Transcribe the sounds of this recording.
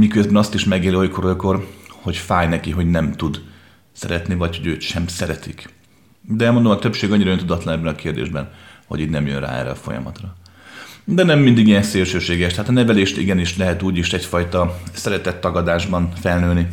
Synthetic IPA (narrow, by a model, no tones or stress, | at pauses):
mikøzbɛnɒst̪iʃmɛɡeːlio̞jkoɾo̞jko̞rho̞cfaːjnɛkiɦo̞ɟnɛmt̪ud̪ | sɛɾɛt̪nivɒcho̞ɟøːt̪ʃɛmsɛɾɛt̪ik | d̪ɛɛlmond̪omɒt̪ø̞pʃeːɡɒɲːiɾɒønt̪ud̪ɒt̪lɒnɛbːɛnɒkeːrd̪ḛːʒbɛnhoɟiːd̪nɛmjønra̰ːɛ̰rːɛ̰ɒfo̞̰jɒ̰mɒ̰t̪rɒ | d̪ɛnɛmːind̪iɡijɛnseːlʃøːʃeːɡɛʃt̪ɛaːt̪ɒnɛvɛleːʃt̪ḭɡɛniʃlɛɦɛt̪uːɟiʃɛcfɒjt̪ɒsɛɾɛt̪ɛt̪ːɒɡɒd̪aːʒbɒnfɛlnøːlni